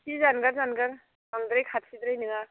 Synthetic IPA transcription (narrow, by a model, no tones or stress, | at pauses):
sizanɡaɾzanɡaɾ | aŋd̪ɾɯjkʰatsid̪ɾɯjnɯŋa